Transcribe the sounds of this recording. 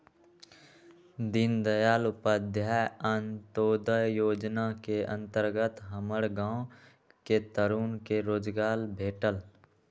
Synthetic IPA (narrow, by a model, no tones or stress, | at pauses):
d̪ɪnd̪əjaːlʊpəd̪ʱjaənt̪oːd̪əjoːd͡ʒnakeə̰̃nt̪əɾɡət̪ɦəməɽɡãːõ | ket̪əɾuːnkeɾoːd͡ʒɡaːlbʱeːʈəl